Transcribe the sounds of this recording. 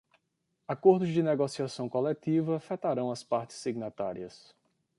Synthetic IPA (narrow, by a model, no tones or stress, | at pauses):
akoɾd̪ʊzd͡ʒɪneɡosiasɐ̃w̃kolɛt̪ivɐfɛt̪aɾɐ̃w̃ɐspaɾt͡ʃɪ̥sːiɡnat̪aɾiɐs